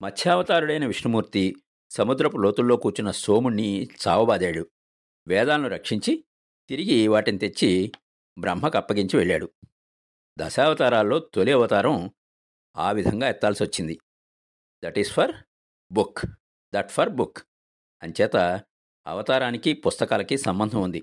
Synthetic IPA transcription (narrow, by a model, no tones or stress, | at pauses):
mɐt̪ʰjaːʋɐt̪aːɾuɽɐjnɐʋiʂnɐmuːɾt̪i | sɐmud̪ɾɐpulo̞ːt̪ulːo̞ːkuːt͡ʃunɐsoːmunːisa̰ːʋɐbaːd̪eːɽu | ʋɛːd̪aːlɐnuɾɐkʂiɲt͡ʃi | t̪iɾiɡiʋaːʈinit̪e̞t͡ʃːi | bɾɐmɦɐkɐpːɐɡiɲt͡ʃiʋeɭːaːɽu | d̪ɐ̰saːʋɐt̪aːɾaːlːo̞ːt̪oliɐʋɐt̪aːɾɐm | a̰ːʋid̪ʱɐŋɡaːɛt̪ːaːlsiʋɐt͡ʃːind̪i | d̪ɐʈisfʰɐɾ | buk | d̪ɐʈfʰɐɾbuk | ɐnt͡ʃɛːt̪ɐ | ɐ̰ʋɐt̪aːɾaːnikipust̪ɐkaːlɐkisɐmbɐnd̪ʱɐmund̪i